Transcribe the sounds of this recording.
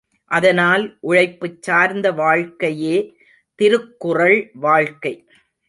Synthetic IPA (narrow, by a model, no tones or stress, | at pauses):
ʔɐðɐnaːlʔʊɻɐɪpːɯt͡ʃsaːɾnd̪ɐʋaːɻkɐjeː | t̪ɪɾɯkːʊrɐɭʋaːɻkɐɪ